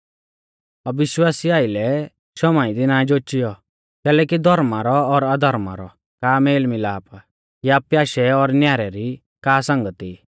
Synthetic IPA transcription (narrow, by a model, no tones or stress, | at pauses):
ɐʋɪʃwaːsiaːɪlɛ | ʃɔmaːid̪inãːd͡ʒoːt͡ʃɪjɔ | kɛːlɛːkid̪ʱɔɾmaɾɔːɾad̪ʱɔɾma̰ɾɔ | kaːmeːlmilaːpa | japjaːʃɛɔɾnjaːɾɛɾi | kaːsɐ̃ŋɡət̪i